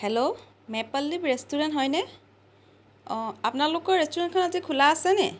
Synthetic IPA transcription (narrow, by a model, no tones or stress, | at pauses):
hɛlo | mɛpalːipɹestuɹɛntɦɔjnɛ | apnalʊkɔɹɹestuɹɛnt̚kʰɔnatikʰulaːsɛnɛ